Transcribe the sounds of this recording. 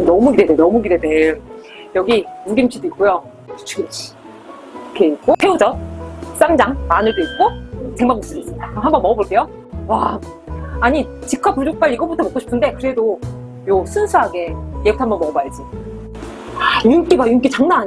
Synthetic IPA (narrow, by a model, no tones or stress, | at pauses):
mnʌmuɡidedenʌmuɡidede | jʌɡiunɡimt͡ɕʰiduik͈ojo | u̥t͡ɕʰu̥ɡit͡ɕʰi̥ | kʰeik̚k͈opʰe̞ud͡ʑʌs͈amd͡ʑaŋmanɯɭdoik̚k͈oteŋmaŋmus͈ʰɯd͡ʑes͈ɯdaɦambʌnmʌʌboɭk͈e̞jo | wa | aɲit͡ɕikʰwapud͡ʑok̚p͈aʎiɡʌbutʰʌmok͈oɕʰi̥pʰɯnde̞kɯɾe̞do | josʰɯnsʰuɦaɡe̞jeɡutʰambʌnmʌʌbajd͡ʑi | juŋk͈iɡajuŋk͈it͡ɕaŋnaaɲ